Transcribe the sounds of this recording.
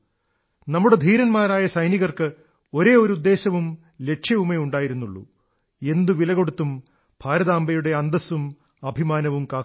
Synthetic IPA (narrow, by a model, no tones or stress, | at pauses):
nɐmːuɽe̞d̪ʱiːɾɐnmaːɾaːjɐsɐjniɣɐrkɨ | o̞ɾe̞ːoɾud̪ːe̞ːɕɐʋum | le̞ʈʂʰjɐʋumeuɳɖaːjiɾunːuɭːṵ | e̞nd̪uʋilɐɣo̞ɽut̪ːum | b̥ʱaːɾɐðaːmbɐjuɽe̞ɐnd̪ɐsum | ɐbʱimaːnɐʋumkaː